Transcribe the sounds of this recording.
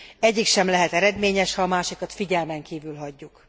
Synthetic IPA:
ɛɟːikʃɛmlɛɦɛt̪ɛɾɛd̪meːɲɛʃhɒːmaːʃikɒt̪fiɟɛlmɛŋkiːvylɦɒɟːuk

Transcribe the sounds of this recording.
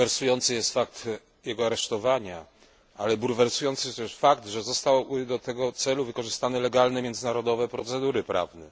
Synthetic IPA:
ɛɾsujɔnt̪sɨjɛst̪fak̚t̪ | jɛɡɔaɾɛʂt̪ɔvaɲa | alɛbuɾvɛɾsujɔnt̪sɨjɛst̪ɛʂfakt̪ʐɛzɔst̪awbɘd̪ɔt̪ɛɡɔt̪sɛluvɘkɔʐɘst̪anɛlɛɡalnɛmʲjɛnd̪zɘnaɾɔd̪ɔvɛpɾɔt̪sɛd̪uɾɘpɾʔa̰vnɛ̰

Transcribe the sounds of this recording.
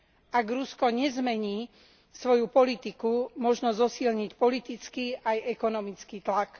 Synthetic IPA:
ʔaɡɾuskɔɲɛzmɛɲiː | sʋɔjupɔlit̪ikumɔʒnɔzɔsiːlɲicpɔlit̪it͡skiʔajɛkɔnɔmit͡skiːt̪lak

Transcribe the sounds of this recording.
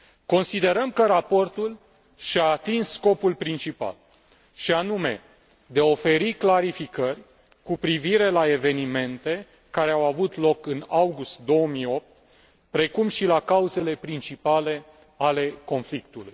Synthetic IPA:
ko̞nsid̪e̞ɾəmkəɾapo̞rt̪ul | ʃaːt̪inssːko̞pulpɾint͡ʃipa̰l | ʃianume̞ | d̪eao̞fe̞ɾiklaɾifikərʲ | kupɾiviɾe̞lae̞ve̞nime̞nt̪e̞ | kaɾe̞awavut̪lo̞kɨnawɡust̪̚d̪o̞wəmio̞p̚t̪ | pɾe̞kumʃilakauze̞le̞pɾint͡ʃipale̞ | ale̞ko̞nflik̚t̪uluj

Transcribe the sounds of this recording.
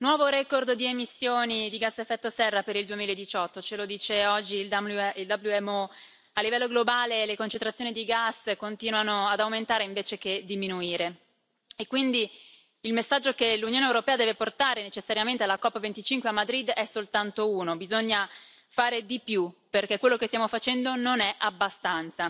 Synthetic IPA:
nwɔːvoɾɛkord̪d̪iemisːjoːnid̪iɡasːefːɛt̪ːosɛrːapeɾild̪uemilaed̪ːit͡ʃɔt̪ːot͡ʃelod̪iːt͡ʃeɔd͡ʒːilild̪abluɛmo | alːivɛlːoɡlobaːlelekont͡ʃent̪ɾat̪sjoːnid̪iɡasːkont̪iːnwanoad̪awment̪aːɾeiɱveːt͡ʃek̟ed̪iminuiːɾe | ekːwind̪i | ilmesːad͡ʒːokelunjoːnewɾopɛːad̪ɛveport̪aːɾenet͡ʃesːaɾjament̪ealakɔpːvent̪it͡ʃiŋkweamːad̪ɾid̪ɛsːolt̪ant̪ouːnobizoɲːa | faːɾed̪ipjuperkekwelːokest̪jamofat͡ʃɛnd̪ononɛʔabːast̪ant̪sa

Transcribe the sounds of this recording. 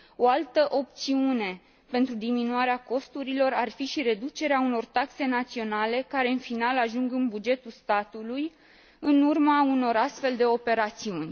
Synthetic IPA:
o̞alt̪əʔo̞p̚t̪siune̞ | pe̞nt̪ɾud̪iminuaɾeako̞st̪uɾilo̞rarfiʃiɾe̞d̪ut͡ʃe̞ɾeauno̞rt̪akse̞nat̪sio̞nale̞kaɾe̞ɨnfinalaʒuŋɡɨnbud͡ʒe̞t̪ulst̪at̪uluj | ɨnurmauno̞ɾast̪fe̞ld̪e̞o̞pe̞ɾat̪siunʲ

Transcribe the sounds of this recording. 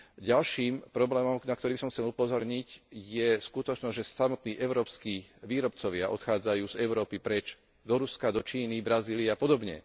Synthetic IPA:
ɟalʃiːmpɾɔblɛːmɔmnakt̪ɔɾiːbisɔmxt͡sɛlupɔzɔɾɲicjɛskut̪ɔt͡ʃnɔzʒɛsamɔt̪niːʔɛʊɾɔːpskiːʋiːɾɔpt͡sɔʋɪaʔɔt̪xaːd͡zajuːzɛʊɾɔːpipɾɛt͡ʃ | d̪ɔɾuskad̪ɔt͡ʃiːnibɾaziːliapɔd̪ɔbɲɛ̰

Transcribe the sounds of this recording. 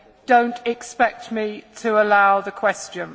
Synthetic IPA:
d̥õʊ̃ntʰɪkspɛk̚tmitʰəəlaʊðəkʰw̥ɛst͡ʃə̃n

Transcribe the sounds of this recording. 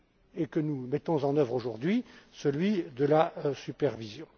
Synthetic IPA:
ekənumɛt̪ɔ̃zɑ̃nœvʁoʒuʁd̪ɥisəlɥid̪əlasypɛʁvizjɔ̃

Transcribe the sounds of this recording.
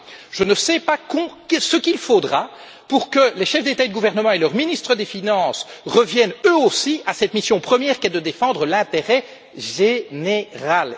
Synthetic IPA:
ʒ̥ənəsɛpakɔ̃ksəkilfod̪ʁa | puʁkəlɛʃɛfd̪et̪aed̪əɡuvɛʁnəmɑ̃elœʁminist̪χəd̪efinɑ̃ːsʁəvjɛnøosiasɛt̪misjɔ̃pχəmjɛːʁkɛd̪əd̪efɑ̃d̪ʁəlɛ̃t̪eʁɛ | ʒeneʁal

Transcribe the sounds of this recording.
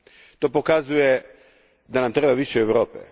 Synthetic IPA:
t̪o̞ːpokazuje | d̪anamt̪ɾebaʋiʃeːʋɾo̞ːpḛ

